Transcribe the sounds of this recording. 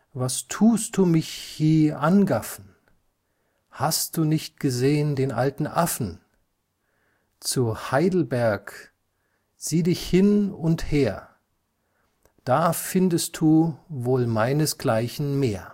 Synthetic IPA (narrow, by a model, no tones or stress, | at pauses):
vastʰuːst̚d̥uːmɪçhiːɐʔanɡafn̩ | hastd̥uːnɪçt̚ɡ̥əzeːəndeːnʔa̰ltn̩ʔafn̩ | t͡suhaɪdl̩bɛɐk | z̥iːdɪçhɪnʊntheːɐ | d̥aːfɪndəst̚d̥uːvoːlmaɪnəsɡ̥laɪçn̩meːɐ